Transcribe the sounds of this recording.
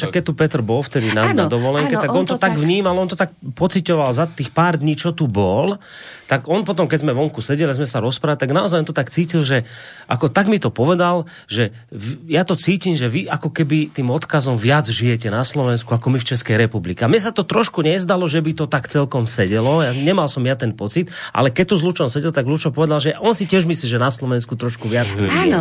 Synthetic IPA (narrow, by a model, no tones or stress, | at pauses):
ʃakːɛc̚t̪ːupɛt̪ɾ̩bɔlft̪ɛd̪inanad̪ɔʋɔlɛŋkɛt̪aɡɔnt̪ɔt̪aɡʋɲiːmalɔnt̪ɔt̪ak̚pɔt͡sicɔʋalzat̪iːxpaːɾd̪ɲiːt͡ʃɔt̪ubɔl | t̪aɡɔnpɔt̪ɔmkɛɟzmɛʋɔŋkusɛɟɛliazmɛsaɾɔspɾaːʋlit̪aɡnaɔzajɔnt̪ɔt̪akt͡siːcilʒɛʔakɔt̪aɡmit̪ɔpɔʋɛd̪al | ʒɛ | ʋjat̪ɔt͡siːcimʒɛʋiakɔkɛbit̪iːmɔt̪kazɔmʋɪad͡zʒijɛcɛnaslɔʋɛnskuakɔmift͡ʃɛskɛjɾɛpublikɛamɲɛs̬at̪ɔt̪ɾɔʃkuɲɛzd̪alɔʒɛbit̪ɔt̪akt͡sɛlkɔmsɛɟɛlɔjaɲɛmalsɔmjat̪ɛnpɔt͡sit̪ʔa̰lɛkɛc̚t̪uzlut͡ʃɔmsɛɟɛlt̪aɡzlut͡ʃɔpɔʋɛd̪alʒɛʔɔnsicɪɛʒmisliːʒɛnaslɔʋɛnskut̪ɾɔʃkuʋɪad͡z